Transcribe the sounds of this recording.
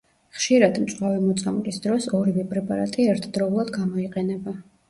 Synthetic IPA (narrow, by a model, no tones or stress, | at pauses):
χʃiɾad̪mt͡ʃʼqwavimɔt̪sʼamɡʼisd̪ɾɔsɔɾivɛpʼɾɛpʼaɾat̪ʼiɛɾt̪ʰd̪ɾɔulˠad̪ɡamɔiqʼɛnɛba